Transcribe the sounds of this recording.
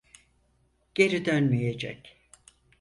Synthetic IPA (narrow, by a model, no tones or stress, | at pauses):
ɟ̥e̞ɾid̪ønmijed͡ʒɛ̰c